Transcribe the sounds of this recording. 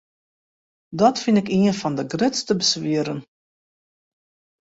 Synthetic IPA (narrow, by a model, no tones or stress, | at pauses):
dɔtfinɪkiənfɔndəɡrɪtstəbəsʋiəɾən